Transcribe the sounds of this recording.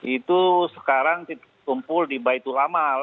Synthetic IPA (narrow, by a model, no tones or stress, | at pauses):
it̪usə̥kaɾaŋt̪it̪ | kumpʊldibait̪ulamal